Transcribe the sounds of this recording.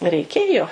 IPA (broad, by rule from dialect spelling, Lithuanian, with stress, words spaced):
rʲɛɪˈkʲeːjoː